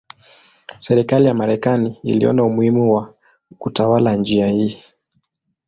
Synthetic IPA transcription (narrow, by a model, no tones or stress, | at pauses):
sɛɾikalijamaɾɛkaniḭliɔ̰naumuhimuwa | kutawaland͡ʒiahi